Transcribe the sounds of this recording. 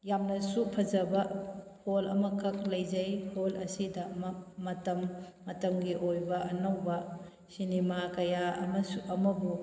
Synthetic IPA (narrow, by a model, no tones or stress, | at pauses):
jamnɐsupʰɐzɐbɐholɐmɐkʰɐk̚lɐjzɐjholɐsidɐmɐmɐtɐmːɐtɐmɡiʔojbɐʔɐnawbɐ | sinemakɐjaɐ̰mɐsuʔɐmɐbu